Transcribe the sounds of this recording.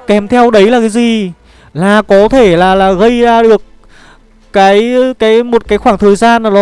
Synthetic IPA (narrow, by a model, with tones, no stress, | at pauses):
kɛ˨˩mt̪ʰɛ˧wɗə˨˦jlaː˨˩kaː˨˦jzi˨˩ | laː˨˩kɔ˨˦t̪ʰe˧˩laː˨˩laː˨˩ɣə˧jzaː˧ɗɨ˨˩ək̚ː | aː˨˦jkaː˨˦jmo˨˩t̚kaː˨˦jxwaː˧˩ŋt̪ʰəː˨˩jzaː˧naː˨˩ɗɔ˨˦